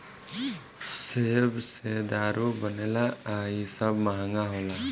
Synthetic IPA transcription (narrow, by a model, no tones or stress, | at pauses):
sebsed̪aɾʔubənelaaisabmaɦaŋɡaɦola